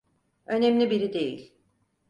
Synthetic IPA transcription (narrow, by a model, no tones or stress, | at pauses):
ø̞nemlʲibiɾid̪e̞jḭlʲ